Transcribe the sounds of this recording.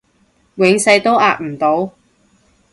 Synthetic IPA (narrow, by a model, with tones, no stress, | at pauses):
wɪ˨˧ŋsɐ˧jt̪o˥wʔaː˧t̚m̩˨˩t̪o˨˧w